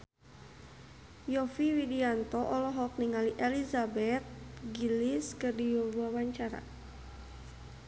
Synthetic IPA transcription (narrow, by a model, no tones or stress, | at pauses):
jɔfiwidiant̪ɔʔɔlɔɦɔk̚niŋaliʔelizabɛt̪̚ɡiliskɨrdijobuawaɲt͡ʃaɾa̰